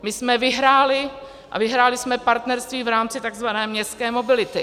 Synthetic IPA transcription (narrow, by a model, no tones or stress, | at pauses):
mɪsmɛvɪɦɾaːlɪ | ʔa̰vɪɦɾaːlɪsmɛpaɾt̪nɛɾst̪viːvɾaːmt͡sɪt̪aɡzvanɛːmɲɛst̪kɛːmo̞bɪlɪt̪ɪ